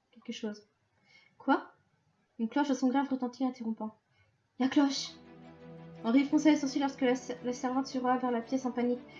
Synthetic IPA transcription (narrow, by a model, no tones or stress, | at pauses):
kʲɛlkəʃoːz | kwa | ynklɔʃdasɔ̃ɡʁavʁət̪ɑ̃t̪ʰiɛ̃t̪eʁɔ̃pɑ̃ | jaklɔʃ | ɑ̃ʁifχɔ̃sɛsuʁsɥilɔʁskəlasɛʁvɑ̃t̪syʁwavɛʁlapjɛsɑ̃panik